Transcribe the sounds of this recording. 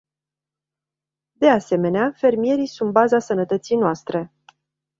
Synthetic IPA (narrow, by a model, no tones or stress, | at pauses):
d̪e̞ase̞me̞neafe̞rmije̞ɾijsunt̪̚bazasənət̪ət̪sijnoast̪ɾe̞